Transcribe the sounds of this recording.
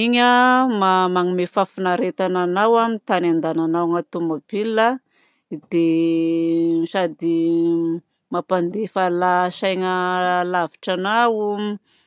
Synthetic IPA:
iɲəmamaŋimefafunaɾet̪ananawamit̪anand̪ananawŋat̪umabilːa | d̪̥e | sad̪i | mapand̪efalasajŋəlaviʈ͡ʂanawu

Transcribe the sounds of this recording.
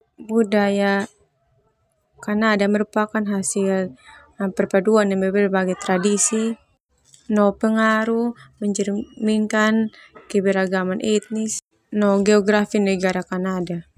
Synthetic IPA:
budaja | kanadamɛɾupakanɦasil | pɛrpaduanːɛmɛbɛrbaɡɛt̪ɾadisi | nɔpɛŋaɾumɛɲd͡ʒɛrmiŋkankɛbɛɾaɡamanʔit̪̚nis | nɔɡɛɔɡɾafinɛɡaɾakanada

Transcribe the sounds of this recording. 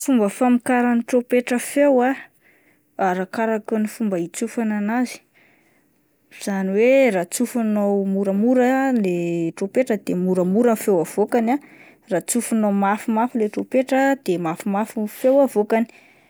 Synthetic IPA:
fumbəfamikaɾaniʈ͡ʂopeʈ͡ʂəfewa | aɾakaɾakunifumbəit͡sufananazi̥ | z̥aniwerat͡sufunowmuɾəmuɾəleʈ͡ʂopeʈ͡ʂəd̪̥emuɾəmuɾənfewav̥okana | rat͡sufunomafimafileʈ͡ʂopeʈ͡ʂəd̪emafimafifewavokani̥

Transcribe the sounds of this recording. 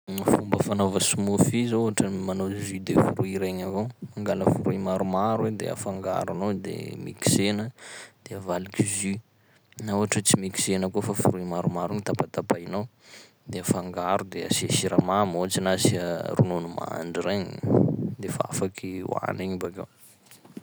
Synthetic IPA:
fumbəfanovəsumufizouɦaʈ͡ʂəmanozid̪efuɾuiɾeɲavomaŋɡaləfuɾuimaɾumaɾued̪ea̰faŋɡa̰ɾanod̪ḛmḭki̥senəd̪̥eavalikizy | nauɦaʈ͡ʂət͡simiki̥senəkofafuɾuimaɾumaɾunit̪atat̪apainaw | d̪eafaŋɡaɾud̪ea̰seʃiɾamamoat͡ʃinasiarununuma̰ɳɖ͡ʐiɾeɲid̪efaa̰fakʰiw̰a̰neɲibaka̰w

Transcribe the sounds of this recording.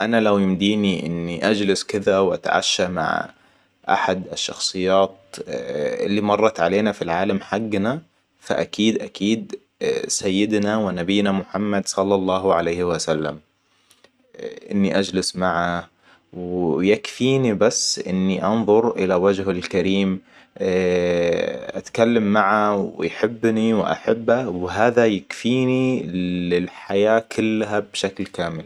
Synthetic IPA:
ʔanalawjɪmd̪iːniʔɪ̰nːiʔad͡ʒlɪskɪðawʔa̰t̪aʕa̰ʃːama̰ʕ | ʔa̰ħad̪aʃːɑ̰xsˤɨjːaːt̪̚ | ʔɪlːimɑrˤːɑt̪ʕaleːnafilʕaːlamħaɡːna | fa̰ʔakiːd̪ʔakiːd̪ | sajːɪd̪nawɪnabɪːnamʊħamːad̪sˤɑlːɑlˤːɑːɦʕalejhɪwasalːa̰m | ʔɪ̰nːiʔad͡ʒlɪsmaʕa | wjakfiːnibasːʔɪnːiʔɑnðˤʊɾʔɪlawad͡ʒɦalkaɾiːm | ʔat̪kalːamːaʕawɪ̰jħɪbːniwɪʔa̰ħɪbːawɦaːðajakfiːni | ɪlħajaːkʰʊlːɦabʃaklkaːmɪl

